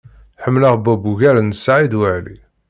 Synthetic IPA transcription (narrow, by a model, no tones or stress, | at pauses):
ħəmːləʁbæbuʝæɾnəsːʕid̪wəʕlḭ